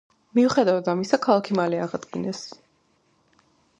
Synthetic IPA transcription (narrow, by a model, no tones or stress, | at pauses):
miuχɛd̪avad̪amisakʰalˠakʰimalɛaʁad̪ɡinɛs